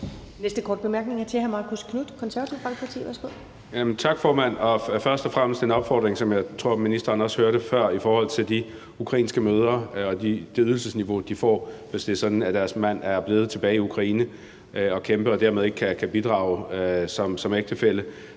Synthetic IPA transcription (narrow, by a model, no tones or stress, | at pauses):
nesd̥əkʰɒ̰ːd̥̚b̥e̝mæɐɡ̥̚ne̝ŋæt͡sʰe̝hæɐmɑ̈ːkʰuskʰnud̥kʰɒ̽nsæɐʋɐt͡sʰiʊb̥ɑ̈ŋɡ̥̚pʰɑ̈t͡sʰḭːʋæɐsɡ̥o̝ð̰ˠ | jæmnt͡sʰɑ̈ɡ̥fɒːmæn̰ɒ̽fɶɐsd̥ɒ̽fʁam̰əsd̥enɒ̽b̥fɒ̰ːd̥ʁeŋsɒ̽mjɑ̈ɪt͡sʰʁo̝ɐ̰minisd̥ɐːnɒ̽shøːɐɾəfɶɐ̰ifɒːhɒ̽l̰t͡sʰe̝ld̥i | ukʰʁɑ̈ḭːnsɡ̥əmøːð̞ˠɐɒ̽d̥id̥e̝yðˠl̩səsniʋo̝d̥ifɒ̰ːʋe̝sd̥e̝sɒ̽d̥n̩æd̥æɐsmæn̰æɐb̥le̝ːð̞̩ˠət͡sʰe̝b̥ɛːɪiukʰʁɑ̈iːnə | ɒ̽kʰemb̥əɒ̽d̥æɐmeðˠe̝ɡ̥ə̥kʰækʰæb̥id̥ʁɑ̈ʊsɒ̽msɒ̽meɡ̥d̥əfel̰ə